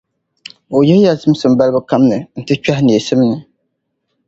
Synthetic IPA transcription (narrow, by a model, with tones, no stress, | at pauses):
o˨jɛ˦ja˦zɨ˦m˦sɨ˨m˦ba˦lbɨ˦ka˦mnɨ˨n̩˨tɨ˦t͡ʃᶣa˦hni˨e˨sɨ˦m˦nɨ˨